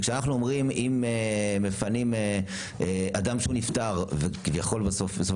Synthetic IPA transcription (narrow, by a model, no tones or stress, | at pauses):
kʃeanaχnuomʁimimemefanime | ead̪amʃehuniftaʁvekivjaχo̞lbasofbesof